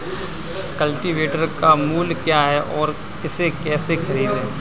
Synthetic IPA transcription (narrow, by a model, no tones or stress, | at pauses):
kɐlʈiʋeːʈəɾkamuːlkjaːɦɛʔɔːɾ | ɪsekɛːsexʰɐɾiːd̪ɦɛː